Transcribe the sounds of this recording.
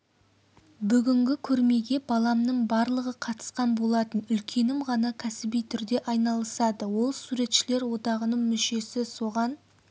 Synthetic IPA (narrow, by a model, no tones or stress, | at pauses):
bʏɡʲɪŋɡʲɪkʲʰɵɾme̞ɡʲe̞bɑlˠɑmnəɴbɑɾlˠəʁəqʰɑt̪ə̥sqɑnbo̞lˠɑt̪ənʏlkʲʰe̞nɪmʁɑnɑkʲʰæsɪbijt̪ʰʏɾd̪e̞ʔɑjnɑlˠəsɑd̪əwo̞lˠsuɾe̞t̪ʃɪle̞ɾwo̞d̪ɑʁənəɴmʏʃe̞sɪso̞ʁɑn